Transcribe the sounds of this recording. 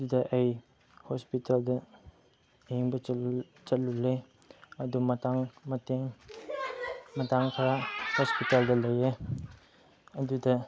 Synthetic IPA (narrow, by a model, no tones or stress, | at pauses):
ɐdudɐʔɐj | hospitaldɐ | eŋbɐ | t͡ʃɐt̚lulːe | ɐdumɐtaŋmɐteŋ | mɐtaŋkʰɾahospitaldɐlɐje | ɐdudɐ